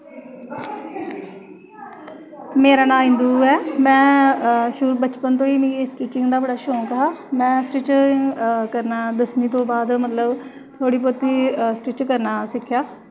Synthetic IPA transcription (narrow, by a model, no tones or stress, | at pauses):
meːɾaːnãːɪ̃nd̪uːɛːmɛ̃ːʃʊɾbət͡ʃpənt̪̬õːiːmĩsʈiːt͡ʃɪŋɡd̪aːbəɽaːʃõːkəɦaːmɛ̃ːsʈɪt͡ʃ | kəɾnaːd̪əsmiːt̪̬õːbaːd̪mət̪ləb | t̪ʰoːɽiːp̬ot̪iːsʈɪt͡ʃkəɾnaːsɪkʰːjaː